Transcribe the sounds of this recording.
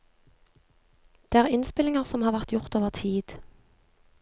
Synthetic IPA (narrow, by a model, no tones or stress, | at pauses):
d̪̥eːæːʁɪnspɪlɪŋəʁsɔmhɑːʁʋæʁt̪jʊʁt̪oːʋəʁt̪ʰiːd̪̥